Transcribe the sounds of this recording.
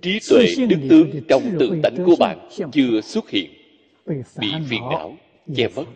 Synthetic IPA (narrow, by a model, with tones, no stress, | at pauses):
t͡ɕi˨˦t̪wḛ˧˨ɗɨ˦˥k̚t̪ɨ˨˦əŋt͡ɕɔ˧wŋ͡mt̪ɨ̰˧˨t̪a˨˦jŋ̟ku˨˧˩əɓa̰ː˧˨nt͡ɕɨ˧əswə˦˥t̚hḭ˧˨ən | ɓḭ˧˨fi˧ənʔa̰ː˧˥w | t͡ɕɛ˧mə˦˥t̚